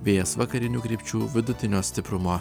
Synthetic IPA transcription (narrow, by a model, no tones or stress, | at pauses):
ʋʲeːjɛsʋɐkɐɾʲɪnʲuːkɾʲipʲt͡ʃʲuːʋʲɪd̪ʊt̪ʲɪnʲoːsʲt̪ʲɪpɾʊmoː